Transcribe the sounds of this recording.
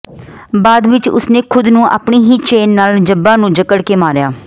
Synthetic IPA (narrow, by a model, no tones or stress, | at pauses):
baːd̪ʋɪt͡ʃʊ̰snẽːkʰʊd̪nũːʔa̰ːpɳiːɦiːt͡ʃeːnːaːld͡ʒəbːãːnũːd͡ʒəkəɽkeːmaːɾjaː